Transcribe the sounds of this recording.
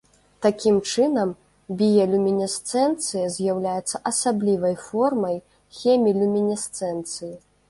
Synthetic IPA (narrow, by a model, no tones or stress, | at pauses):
t̪akʲimt͡ʂɨnɐm | bʲijɐlʲumʲinʲist̪sɛnt̪sɨjɐzʲjawlʲajɛt̪sːɐʔɐsablʲivɐjfɔrmɐj | xʲɛmʲilʲumʲinʲist̪sɛnt̪sɨji